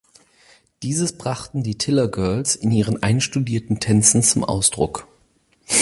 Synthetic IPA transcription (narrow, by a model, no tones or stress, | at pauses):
d̥iːzəsb̥ʁaχtn̩diːtʰɪlɐɡœɐlsɪnʔiːʁ̞ənʔaɪnʃtudiːɐtn̩tʰɛnt͡sn̩t͡sʊmʔa̰ʊsd̥ʁʊ̰k